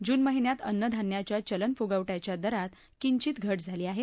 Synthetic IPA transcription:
d͡ʑuːnməɦinjat̪ənːəd̪ʱanjat͡ɕjat͡ɕələnpfuɡaʋʈat͡ɕjad̪əɾat̪ | kiɲt͡ɕiːt̪ɡʱəʈd͡zʱaliːaɦe

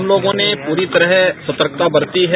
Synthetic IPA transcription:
mloːɡõnepuːɾit̪ɐɾəɦɛsɐt̪əɾk̚t̪abɐɾt̪iɦɛ

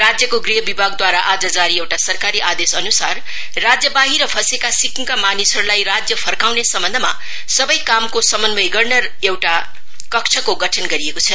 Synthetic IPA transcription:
rad͡zjʌkoɡriɦʌbibʱaɡ̚d̪waɾaʔad͡zʌd͡zaɾiewʈasʌrkaɾiʔad̪esʌnusarː | ad͡zjʌbaɦiɾʌpʰʌsekasikʰŋkamanisʌɾulajrad͡zjʌpʰʌrkawnesʌmbʌnd̪ʱʌma̰ | sʌbʌjkamkosʌmʌnbʌjɡʌrnʌ | ewʈa | kʌkt͡ʃʰʌkoɡʌʈʰʌnɡʌɾiekot͡sʰʌ

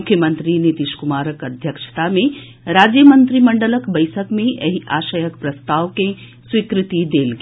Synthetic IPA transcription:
kʰːjəmə̃nt̪ɾinit̪iːʃkʊmaːɾəkɐd̪ʱjəkʃə̥t̪amẽ | ɾaːd͡ʒjəmə̃nt̪ɾimɐɳɖələkbəɪsəkmẽjɐ̰ɦiʔaːʃəjəkpɾɐst̪aːʋke | swikɾɪt̪id̪eːlɡ

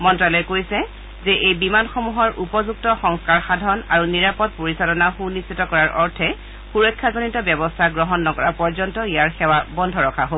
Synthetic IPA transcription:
mɔntɹalɔɛkojsɛ | zɛʔejbimanxomuɦɔɹʔupɔzuk̚tɔxɔŋskaɹxadʱɔna̰ɹuniɹapɔt̚poɹisalɔnaxunistʰːitɔkɔɹaɹʔɔɹtʰɛ | xuɹɔjkʰːazonitɔbjɔbɔstʰaɡɹɔɦɔnːɔkɔɹapɔɹzɔntɔijaɹxɛwabɔndʱɔɹɔkʰaɦo

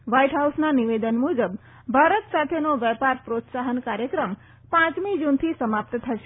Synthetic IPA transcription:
ʋaiʈɦausnaniʋed̪ənmud͡ʒəb | bʱaɾət̪sat̪ʰenoʋɛpaɾpɾot̪saɦənkaɾjəkɾəm | pãt͡ʃmid͡ʒunt̪ʰisəmap̚t̪t̪ʰəʃe̥

